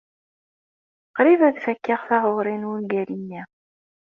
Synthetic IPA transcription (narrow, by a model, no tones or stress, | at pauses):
qɾivæðfækːaʁθahoʁɾɪnwunɡælinːi